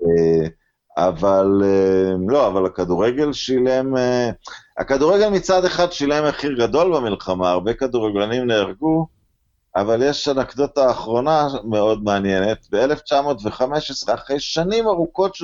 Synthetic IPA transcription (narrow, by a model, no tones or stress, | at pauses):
e | a̰valelo̞avalakad̪uʁeɡe̞lʃile̞mea̰kaduʁe̞ɡe̞lmit͡sad̪e̞χad̪ʃile̞meχiʁɡado̞lbemilχamaːʁbe̞kad̪uʁeɡlanimneaʁɡu | avaljeʃanakd̪ot̪aːχʁo̞name̞o̞d̪meanje̞net̪beeleft͡ʃamo̞tve̞χame̞ʃesʁeaχʁejʃanimaʁuko̞tʃ